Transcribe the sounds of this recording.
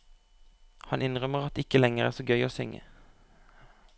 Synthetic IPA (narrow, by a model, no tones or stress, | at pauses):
hɑnʔɪnʁœməʁɑt̪ːɪkəlɛŋəʁæːʁsoːɡœʏoːsʏŋə̰